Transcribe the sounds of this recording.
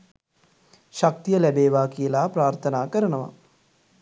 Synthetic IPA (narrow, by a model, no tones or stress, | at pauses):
ʃak̚t̪ijəlæbeːʋaːkijəlaːpɾaːɾt̪ʰənaːkəɾənəʋa̰